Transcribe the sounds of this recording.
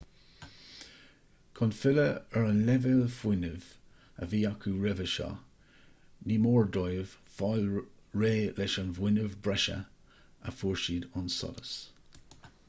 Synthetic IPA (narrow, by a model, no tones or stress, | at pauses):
kʰɔnfɪləəɹənlɛvɪlfwɪnəv̥ | ə̰viːakʰuɹɛvəʃɑ̰ | niːmɔːɹdɔjv̥ | fɔlɹeːlɛʃənvwɪnəvbɹɛʃə̰ | əfuːɹʃiːdɔnsɔ̰lə̰s